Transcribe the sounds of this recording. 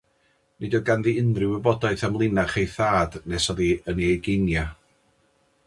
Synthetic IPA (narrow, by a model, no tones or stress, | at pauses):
nʔɪdɔɡanðiɪnrɪwɪbɔdaɨθamlˠɪnaχejθaːdnɛsɔðiəniejɡɪnja